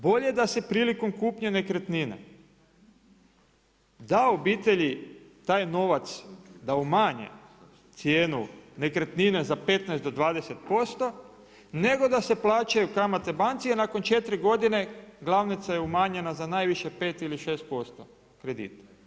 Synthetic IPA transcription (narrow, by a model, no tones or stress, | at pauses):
bo̞ʎed̪ase̞pɾiːliko̞mkuːpɲene̞kɾet̪ninḛ | d̪ao̞biːt̪e̞ʎit̪aːjno̞ʋat̪sd̪aumaːɲḛ | t̪sjeːnune̞kɾet̪nine̞zape̞t̪naɛjst̪d̪o̞d̪ʋaːd̪ese̞t̪po̞st̪o̞ | ne̞ɡo̞d̪ase̞plˠaːt͡ʃajukamat̪e̞bant̪sianaːko̞nt͡ʃe̞t̪ɾiɡo̞d̪ine̞ɡlˠaʋnit̪sajeumaːɲenazanaːjʋiʃe̞pe̞ːt̪iliʃe̞ːst̪̚po̞st̪o | kɾe̞d̪ḭːt̪ḁ